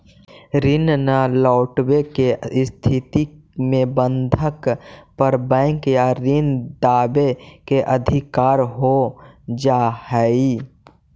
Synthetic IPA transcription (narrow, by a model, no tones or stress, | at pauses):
ɾɪnnalɔʊʈbekest̪ʰit̪i | mẽbənd̪ʱəkpəɾbɛ̃ɪŋkjaɾind̪aːbekeʔəd̪ʱikaːɾɦod͡ʒahɛi